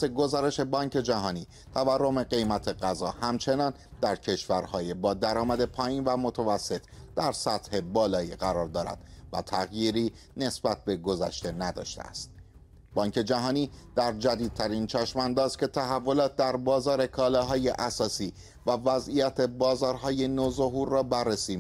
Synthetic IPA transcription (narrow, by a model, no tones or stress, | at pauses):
seɡo̞zɒːɾe̞ʃe̞bɒːɲce̞d͡ʒæɦɒːniː | t̪ʰæværːome̞ɡe̞jmæt̪ʰe̞ɢæzɒːhæmt͡ʃʰe̞nɒːn | d̪̥æɾcʰe̞ʃvæɾhɒːjebɒːd̪æɾɒːmæd̪e̞pʰɒːiːnvæmo̞t̪ʰævæsːe̞t̪ʰd̪̥æɾsæt̪he̞bɒːlɒːiɢæɾɒːɾd̪ɒːɾæ̰d̪̥væ̰t̪ʰæɣjiːɾiː | ne̞sbæt̪̚be̞ɡo̞zæʃt̪e̞næd̪ɒ̰ːʃt̪ḛæ̰st̪̚ | bɒːŋcʰe̞d͡ʒæɦɒːniːd̪̥æɾd͡ʒæd̪iːd̪̚t̪ʰæɾint͡ʃʰæʃmænd̪ɒːscʰʲe̞t̪ʰæɦævːo̞lɒːt̪̚d̪æɾbɒːzɒːɾe̞kʰɒːlɒɦɒːje̞ʔæsɒːsiː | vævæzijæt̪ʰe̞bɒːzɒːɾɦɒːje̞nozo̞ɦuɾːɒːbærːesiː